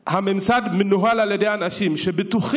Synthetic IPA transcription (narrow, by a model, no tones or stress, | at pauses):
hamemsad̪menuɦalaljedejanaʃimʃebetuχ